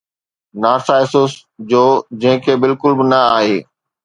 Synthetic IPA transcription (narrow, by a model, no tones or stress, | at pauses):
naːsaːɪsʊːs | d͡ʑoːd͡ʑɐ̃ɦɪ̃kʰeːbɪlkʊlbɪnɐaːɦeː